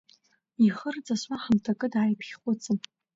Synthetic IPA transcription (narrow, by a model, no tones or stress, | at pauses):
iχərd͡zʼasʷaħamtʰakʼɨdʕajpʰχʲχʷʼʊt͡sʰʼɨn